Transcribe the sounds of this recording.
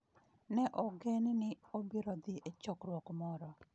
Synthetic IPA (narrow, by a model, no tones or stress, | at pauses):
nɛʔɔɡennɪobiɾɔd̪ɪʔet͡ʃɔkɾwɔkmɔɾɔ